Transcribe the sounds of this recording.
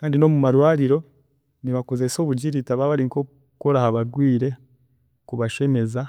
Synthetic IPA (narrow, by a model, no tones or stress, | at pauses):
kaːndino̞mumaɾwaːɾiɾo̞ | niβako̞ze̞so̞ːβuɟiɾitaβaβaɾiŋko | koɾahaβaɡwiːɾe̞ | kuβaʃe̞ne̞za